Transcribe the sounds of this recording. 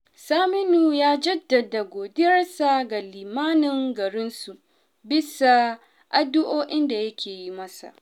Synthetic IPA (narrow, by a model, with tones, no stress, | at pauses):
saː˦mɪ˦nuː˨jaː˦d͡ʒɐ˦dːɐ˨da˨ɡʷoː˨dɪ˦jɐ˦rsa˨ɡa˨liː˨maː˦nɪ˨ŋɡɐ˨ɽɪ˦nsu˨ | bɪ˦sa˨ | ʔa˨dʊ˦ʔoː˦ʔɪ˦nda˨jɐ˦kʲeː˨ji˦mɐ˦sa̰˨ʔ